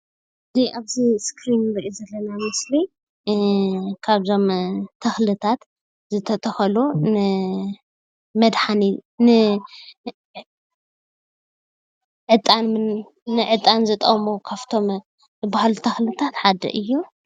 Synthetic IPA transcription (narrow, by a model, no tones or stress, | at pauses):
ʔʔɨziʔaβziskʰɾinɾɐʔizɐlːɐnamɨsli | kʰaβzo̞mt̪ʰɐxlɨt̪ʰat̪ | zɨt̪ʰɐt̪ʰɐxɐlunɨ | mɐd̪ħaninɨ | ʕɨt̪ʼːanmɨn | nɨʕɨt̪ʼːanzɨt̪ʼɐmokʰaft̪ʰo̞m | zɨbahalut̪ʰɐxlɨt̪ʰat̪ħad̪ɐ̰ʔɨjːu